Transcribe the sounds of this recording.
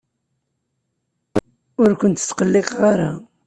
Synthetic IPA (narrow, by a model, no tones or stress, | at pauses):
ʊɾkʷʊnt̪ə̥t͡sːqəlːeqʁaɾa